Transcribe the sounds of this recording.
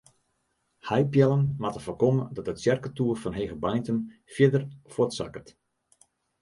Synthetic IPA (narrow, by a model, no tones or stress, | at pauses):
hajpjɛlˠənmatəfɔrkomədɔtətsjɛrkətuːrfɔnɦeːɣəbajntənfjədərfotsa̰kət